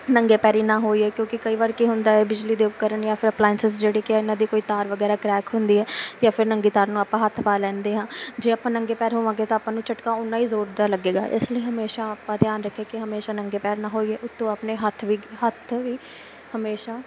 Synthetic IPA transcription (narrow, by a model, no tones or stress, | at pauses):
nəŋɡeːpɛːɾiːnãːɦoːiːɛːkjõːkɪkəiːʋaːɾkiɦʊnd̪aːɛːbɪd͡ʒliːd̪eːʊkːəɾəɳjãːpʰɪɾəplaːɪnsɪsd͡ʒeːɽiːkɪaɪnãːd̪iːkoːiːt̪aːɾʋəɡɛːɾaːkɾɛːkɦʊnd̪iːɛːjaːfʰɪɾnəŋɡiːt̪aːɾnũːaːpãːɦət̪ʰpaːlɛ̃ːnd̪eːɦãːd͡ʒeːaːpːãːnəŋɡeːpɛːɾɦoːʋãːŋɡeːt̪ãːpːãːnũːt͡ʃəʈkãːʊnːãːiːzoːɾd̪aːləɡeːɡa̰ːʔɪsləiːɦəmeːʃaːpãːt̪jaːnɾəkʰːeːkɪɦəmeːʃaːnəŋɡeːpɛːɾnãːɦoːiːɦɛːʔʊt̪ːõːaːpneːɦət̪ʰːʋiːɦət̪ʰʋiː | həmeːʃaː